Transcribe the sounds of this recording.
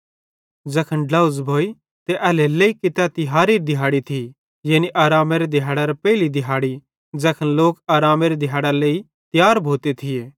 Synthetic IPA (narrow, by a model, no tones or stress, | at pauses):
d͡zɐkʰənɖlɐʊzbʱoːi | t̪eʔɐleleːikɪt̪ɛt̪ɪɦaːɾiɾd̪ɪɦaːɽit̪ʰi | jeːniʔaːɾaːmeɾed̪ɪɦaːɽaɾɐpɛɪlid̪ɪɦaːɽi | d͡zɐkʰənloːkaːɾaːmeɾed̪ɪɦaːɽaleːi | t̪jaːɾbʱoːt̪et̪ʰɪjeː